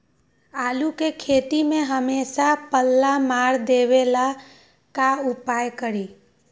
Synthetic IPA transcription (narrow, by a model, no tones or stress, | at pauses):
aːlukekʰeːt̪imẽɦəmeːʃapəlːamaːɾd̪eʋela | kaʊpaːjkəɾiː